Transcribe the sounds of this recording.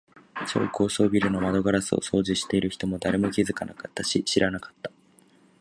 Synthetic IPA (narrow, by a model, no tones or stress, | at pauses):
t͡ɕo̰oko̞ːso̞ːbʲiɾɯ̟no̞mad̪o̞ɡaɾasɨo̞̰so̞ːʑiɕi̥t̪e̞iɾɯ̟çi̥t̪o̞mo̞d̪aɾe̞mo̞kʲizɨkanakat̪ːaɕiɕiɾʔanakḁt̪ːḁ